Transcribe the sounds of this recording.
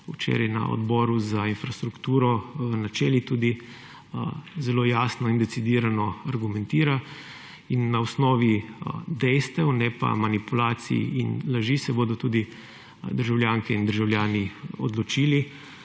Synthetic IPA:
ut͡ʃḛːɾajna̰ɔ̰d̪bɔːɾuzainfɾast̪ɾukt̪uːɾɔnat͡ʃɛːlit̪uːd̪i | zɛloːjasnɔind̪ɛsid̪iːɾanɔaɾɡumɛnt̪iːɾa | inːaɔsnɔːʋid̪ɛjst̪ɛwnɛpa̰manipulaːt̪sḭḭinlaʒisɛboːd̪ɔt̪uːd̪i | d̪əɾʒawlʲjaːŋkɛind̪əɾʒawlʲjaːniɔd̪lɔt͡ʃiːli

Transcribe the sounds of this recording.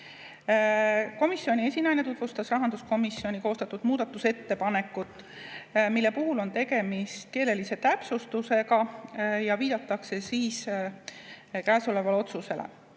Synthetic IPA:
ko̞misːio̞nʲie̞sʲinɑjnet̪ut̪vust̪ɑsrɑɦɑnd̪̥usko̞misːio̞nʲiko̞ːst̪ɑt̪ːˑud̪̥muːd̪̥ɑt̪ːˑuse̞t̪ːe̞pɑne̞kːˑut̪ˑː | milːe̞puɦulo̞nt̪e̞ɡe̞mist̪̚ke̞ːle̞lise̞t̪æpsust̪use̞ɡɑjɑviːd̪̥ɑt̪ːˑɑkse̞siːs | kæːsole̞vɑleo̞t̪suse̞lḛ

